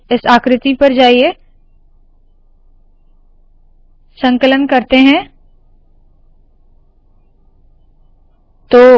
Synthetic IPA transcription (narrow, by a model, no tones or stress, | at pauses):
ɪsaːkɾɪt̪ipɐɾd͡ʒaːie | sə̃ŋkələnkɐɾt̪eɦɛ̃ | t̪oː